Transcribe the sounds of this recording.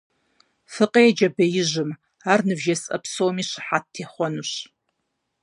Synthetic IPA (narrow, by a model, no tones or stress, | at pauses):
fɨqʼejɛd͡ʒɐbɐjɪʒɨm | aːrnɨbʒɐsʼɐ̰psowmiːʃɨħattːʰeːχʷɔnuɕ